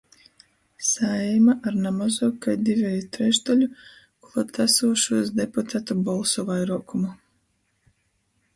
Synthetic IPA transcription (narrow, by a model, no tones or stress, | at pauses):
saɛmaʔaɾnamazuɔkajd̪ivʲɛjut̪ɾɛʒd̪alʲu | kulat̪asuɔʃuɔsd̪eput̪ʰat̪ubɔlˠsɔvajɾuɔkumu